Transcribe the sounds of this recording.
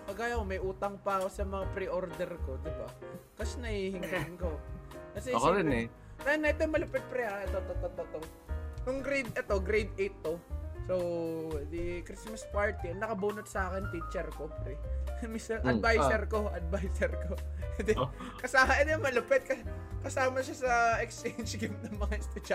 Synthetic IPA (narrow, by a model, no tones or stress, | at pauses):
pɐɡaːjɐkomɐjʔuːt̪ɐŋpɐɐko̞sɐmɐŋapɾiʔoɾd̪ɛɾko̞d̪ɪba̰kɐsɛnɐhiːhɪŋiɪnkokɐsɛɐoɾɪnɛ | t̪ɐnɐʔɛt̪omɐlʊpɛt̪̚pɾɛaɛt̪ot̪ot̪ot̪ot̪o | jʊŋɡɾejd̪ʔɛt̪o̞ɡɾejd̪ejt̪ːosowd̪ikɾɪsmɐspaɹt̪inːɐkɐbuːnʊt̪̚sɐaːkɛnt̪it͡ʃɛɾkopɾɛmisɐʔʔɐd̪vajsɛɾkoʔɐd̪̚vajsɛɾkod̪ɛ | kɐsaːɐʔɛt̪omɐlʊpɛt̪̚kɐkɐsaːmɐʃasɐɛkst͡ʃejnd͡ʒɡɪmnɐŋmɐŋaɪst̪ʊt͡ʃɐ